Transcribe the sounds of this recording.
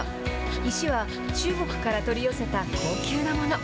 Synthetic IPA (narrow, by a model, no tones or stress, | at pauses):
iɕiβa | t͡ɕɨːɡo̞kɯ̟̥kaɾat̪o̞ɾʲijo̞se̞t̪akʰo̞ːkʲɨːnamo̞no̞